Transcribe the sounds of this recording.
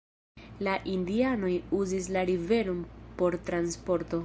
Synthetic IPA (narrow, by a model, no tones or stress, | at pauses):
laʔindiano̞juzis̬laɾive̞ɾompo̞ɾtɾanspo̞ɾto̞